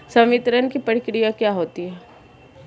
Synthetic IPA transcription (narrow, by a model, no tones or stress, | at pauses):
sɐmɪt̪ɾənkipɐɽkɽijakjaɦoːt̪iɦɛː